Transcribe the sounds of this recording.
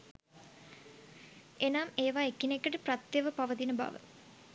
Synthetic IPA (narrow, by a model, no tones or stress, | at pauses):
enameːʋaːekːinekːəʈəprat̪jeʋəpaʋət̪inəba̰ʋə̰